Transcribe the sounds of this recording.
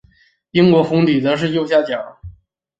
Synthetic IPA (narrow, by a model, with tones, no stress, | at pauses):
i˥ŋkwɔ˧˥xʊ˧˥ŋt̪i˨˩t͡sɤ˧˥ʂ̬ɻ̩˥˧jo˥˧ʊɕja˥˩t͡ɕjɑ˨˩˦